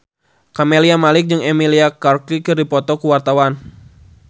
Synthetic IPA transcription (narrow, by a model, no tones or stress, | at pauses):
kameliamalɪk̚d͡ʒɨŋɛmiliakarkikɨrdipɔt̪ɔkuwart̪awan